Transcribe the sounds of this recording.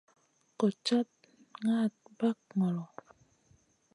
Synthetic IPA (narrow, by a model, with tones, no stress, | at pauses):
kɔ˨t͡ʃa˦t̚ | ŋa˦˨t̚ba˦k̚ŋɔ˨lɔ˨